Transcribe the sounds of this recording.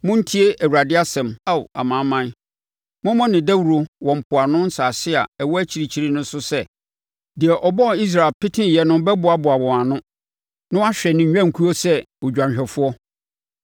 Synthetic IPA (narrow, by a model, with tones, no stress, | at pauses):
mʊ̃˦n̩˦tʰi˦e˦æ˨wu˨ɾa˨dɪ˦a˦sɛ̃˨ma˦wa̰˨mãː˨˦mã˦n˦ | mʊ̃˦mɔ̃˦nɪ̃˨dæ˦wu˨ɾo˨wɔ̃˨m̩˨pʰʊ˨a˨nʊ̃˦n˦saː˨sɪ˦a̰˨ɛ˨wɔ˦æ˦t͡ɕʰi˨ɾi˨t͡ɕʰi˨ɾi˦nʊ̃˦n˦sʊ˦sɛ˦ | dɪ˨ɛ˨ʔɔ˨bɔ˦˨i˦s̬ɾa˨lpʰɪ˦tʰɪ̃˦˨jɛ˨nʊ̃˦bɛ˦bʊ˨a˨bʊ˨a˨wɔ̃˨a˨nʊ̃˦ | nʊ̃˦a˦ɕᶣɛ˨nɪ̃˨ɲᶣ˨˦ã˦˨ŋ̩˨kʰu˦o˦sɛ˦wɔ˨d͡ʑᶣã˨ɲ˨ɕᶣɛ˨fʊ˦ɔ˦